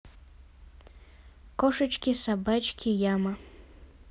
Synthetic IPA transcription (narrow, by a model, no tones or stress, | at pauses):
kɔʂɐt͡ʃkʲisabat͡ʃkʲijamɐ